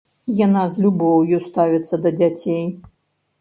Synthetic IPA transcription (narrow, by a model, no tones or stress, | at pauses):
janazlʲubɔwjust̪avʲɛt̪sːɐd̪ɐd͡zʲat͡sʲej